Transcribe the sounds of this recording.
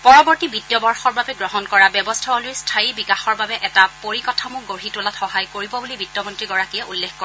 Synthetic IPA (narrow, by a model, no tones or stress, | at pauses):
pɔɹɔbɔɹtibitjɔbɔɹxɔɹbabɛɡɹɔɦɔnkɔɹabɔbɔstʰaolʊjstʰaibikaxɔɹbabɛʔɛtapoɹikɔtʰamʊɡoɹɦitolatxɔɦajkoɹibɔbulibitːɔmɔntɹiɡɔɹakijɛʔulːexkoɹ